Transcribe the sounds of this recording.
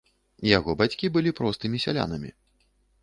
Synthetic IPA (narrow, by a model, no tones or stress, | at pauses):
jaɣɔbat͡sʲkʲibɨlʲipɾɔst̪ɨmʲisʲa̰lʲa̰nɐmʲḭ